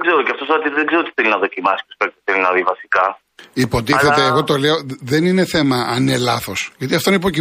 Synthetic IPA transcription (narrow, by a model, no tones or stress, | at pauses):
ɡzeɾoceɐft̪osɐt̪iðeɡze̞ɾot̪iθelinɐðo̞cimɐsi̥oskɐt̪θelinɐðivɐsi̥kɐ | ipo̞t̪iθeeːɣo̞t̪o̞leoðenine̞θe̞mɐːnelɐθo̞sʝɐt̪iɐft̪oineipoci